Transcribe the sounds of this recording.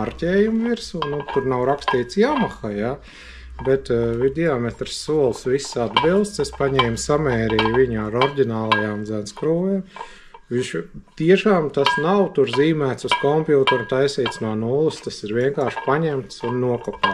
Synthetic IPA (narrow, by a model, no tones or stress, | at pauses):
aɾcʲɛːjumviɾsunnut̪uɾnawɾakst̪iːt̪sjaːmaxaja | bɛt̪vid̪ʲiamɛt̪ɾsːuɔlˠsʋisːad̪bilˠdst̪sespaɲɛːmsamɛːɾijʋiɲaːɾɔɾɟʲinaːlˠajaːmd̪zænskɾuːʋɛm | ʋiʃt̪iɛʃaːmt̪asnawt̪uɾziːmæːt̪suskɔmpjuːt̪ɛɾt̪ajsiːt̪snuɔnulˠɨst̪asiɾʋiɛŋkaːɾʃpaɲɛmt̪sunːuɔkɔpaː